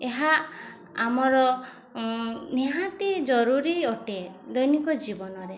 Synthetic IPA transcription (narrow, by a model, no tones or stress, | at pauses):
eɦa | amɔɾɔ | neɦat̪id͡ʒɔɾuɾiɔʈed̪ɔjnikɔd͡ʒibɔnɔɾe